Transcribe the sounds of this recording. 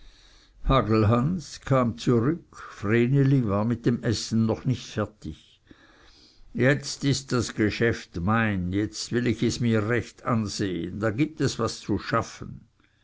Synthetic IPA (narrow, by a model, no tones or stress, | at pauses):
haːɡl̩ɦanskʰaːmt͡suʁʏkfʁeːnelivaːɐmɪt̚d̥emʔɛsn̩nɔχnɪçtfɛɐtɪç | jɛt͡stɪst̚d̥asɡ̥eʃɛftmaɪnjɛt͡stvɪlɪçɛsmiːɐʁɛçtanz̥eːə̰nd̥aːɡiːp̚tɛsv̥ast͡suʃafən̩